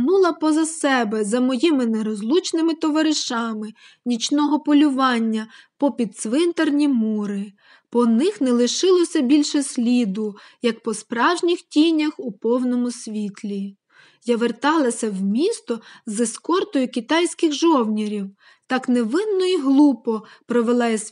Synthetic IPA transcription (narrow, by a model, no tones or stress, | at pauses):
nulˠɐpɔzɐsɛbɛzɐmɔjimɪnɛɾɔzlˠut͡ʃnɪmɪt̪ɔʋɐɾɪʃɑmɪ | nʲit͡ʃnɔɦɔpɔlʲʊʋɑnʲːɐpɔpʲid̪sʋɪnt̪ɐrnʲimuɾɪ | pɔnɪxnɛlˠɪʃɪlˠɔsʲɐbʲilʲʃɛsʲlʲid̪ʊjɐk̚pɔspɾɑwʒnʲixtʲinʲɐxʊpɔwnɔmʊsʲʋʲit̪ʲlʲi | jaʋert̪ɑlˠɐsʲɐwmʲist̪ɔzɪskɔrt̪ʊjʊkʲit̪ɑjsʲkɪxʒɔwnʲiɾʲiw | t̪ɑkneʋɪnːɔiɦlˠupɔpɾɔʋelˠɑjsʲ